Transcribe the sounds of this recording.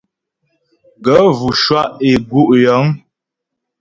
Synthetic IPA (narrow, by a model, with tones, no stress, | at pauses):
ɡə˨˦vu˨ʃwa˦ʔe˨ɡu˦ʔjɔ˨˦ŋ